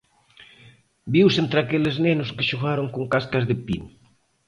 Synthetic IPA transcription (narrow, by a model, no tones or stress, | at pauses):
biwsent̪ɾakeleznenʊskeʃoɣaɾoŋkoŋkaskɐzðɪpḭn